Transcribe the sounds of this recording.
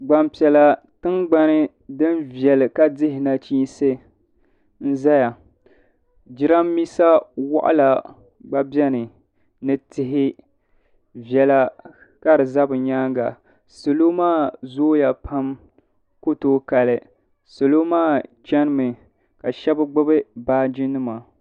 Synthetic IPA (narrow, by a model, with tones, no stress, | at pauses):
ɡ͡ba˨mpi˨ɛ˨la˨ | tɨ˦ŋɡ͡ba˦nɨ˦ | dɨ˦nvjɛ˨lɨ˨ka˦dɪ˦hɪ˨na˨t͡ʃiː˦nse˦ | n̩˦za˦ja˨ | d͡ʒɪ˦ɾa˦mː˦i˦sa˦wa̰˦ʔa̰˦la˨ | ɡ͡ba˦bjɛ˦nɨ˨ | nɨ˦tɪ˨ɦɪ˦ | vɛ˨la˦ | ka˦ɾɨ˨za˦bɨ˨ɲaː˦ŋɡa̰˨ | so˨lo˦maː˦˨zoː˦ja˨pʰa˦m | ko˦toː˦ka˨lɨ˨ | so˨lo˦maː˦˨t͡ʃɛ˦nɨ˦mɨ˨ | ka˨ʃɛ˦bɨ˦ɡ͡bʊ˦bɨ˦baː˦d͡ʒɪ˦nɨ˦ma˨